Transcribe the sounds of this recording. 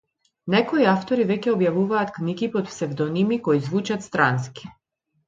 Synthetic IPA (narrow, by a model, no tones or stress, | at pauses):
nɛkɔiaft̪ɔɾivɛcʲɛɔbjavuvaːt̪kniɡipɔt̪psɛvd̪ɔnimikɔjzvut͡ʃat̪st̪ɾanskʲi̥